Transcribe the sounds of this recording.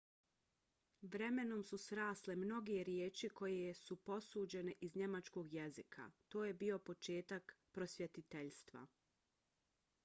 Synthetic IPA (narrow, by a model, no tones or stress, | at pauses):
ʋɾe̞me̞no̞msusɾaːslemno̞ɡeɾjeːt͡ʃiko̞jejsupo̞suːd͡ʑe̞neʔizɲe̞mat͡ʃko̞ɡjezikʰa̰t̪oːjebio̞po̞t͡ʃe̞ːt̪akpɾo̞sjet̪it̪eʎst̪ʋa̰